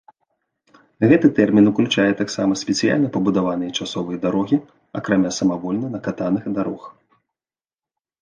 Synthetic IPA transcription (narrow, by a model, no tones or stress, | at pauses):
ɣɛt̪ɨt̪ɛrmʲinuklʲut͡ʂajɛt̪aksamɐsʲpʲɛt̪sɨja̰lʲnɐpɐbud̪avanɨjɛt͡ʂasɔvɐjɐd̪aɾɔɣʲi | a̰kɾamʲasɐmavɔlʲnɐnɐkat̪anɨxd̪aɾɔx